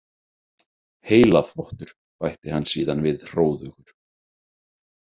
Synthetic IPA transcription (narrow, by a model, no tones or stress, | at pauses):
heːjlaðfɔht̪ʏɾ̥ | pajht̪ɪhanːsiːðanvɪðr̥oːwðʏɣʏɾ̥